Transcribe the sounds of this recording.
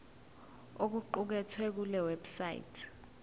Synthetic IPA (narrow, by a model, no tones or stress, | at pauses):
ok̬uǃuk̬ɛtʰwɛk̬ulɛwɛbsajḭtʰ